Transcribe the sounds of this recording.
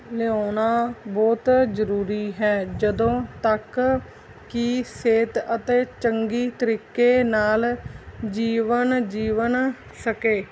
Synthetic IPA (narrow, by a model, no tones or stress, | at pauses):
leoːnaːbɔːt̪zəɾuːɾiːɦɛːd͡ʒəd̪õːt̪ək | kiseːt̪ət̪eːt͡ʃəŋɡiːt̪əɾiːkeːnaːld͡ʒiːʋənd͡ʒiːʋən | səkeː